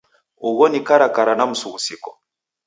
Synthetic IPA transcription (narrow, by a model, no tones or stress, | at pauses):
uɣɔnikaɾakaɾanam̩suɣusikɔ̥